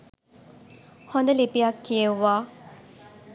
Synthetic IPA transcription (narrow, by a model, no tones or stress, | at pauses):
hond̪əlipijakːijeʋːaː